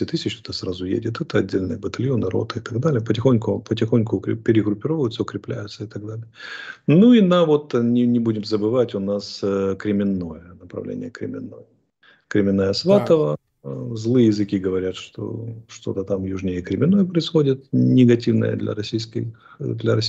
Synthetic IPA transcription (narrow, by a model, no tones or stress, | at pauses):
sʲɪt̪ɨsʲɪt͡ɕt̪ot̪əsɾazʊjḛdʲɪt̪ɛt̪əɐdʲːelʲnɨjəbət̪ɐlʲjo̞nɨɾo̞̰t̪əɪt̪ɐɡd̪alʲɪjəpətʲɪxo̞nʲkʊpətʲɪxo̞nʲkʊkɾʲɪpʲɪɾʲɪɡɾʊpʲːɪɾo̞vəjʊt̪səʊkɾʲɪplʲæjʊt̪səɪt̪ɐɡ̚d̪alʲɪjənuinɐvo̞t̪nʲɪnʲɪbudʲɪmzəbɨvatʲʊnaskɾʲɪmʲɪnːo̞jənəpɾɐ̰vlʲḛnʲɪ̰jəkɾʲɪ̰mʲɪnːo̰jə | kɾʲɪmʲɪnːajəsvat̪əvə | zlˠɨjəjɪzɨkʲiɡəvɐɾʲat̪ʂt̪o̰ʂt̪o̞̰t̪ət̪amjuʐnʲɪjəkɾʲɪmʲɪnːo̞jəpɾəɪsxo̞dʲɪt̪nʲɪɡɐtʲivnə̰jə̰d̪lʲɐ̰ɾɐsʲijskɪ̰d̪lʲɐɾɐsʲ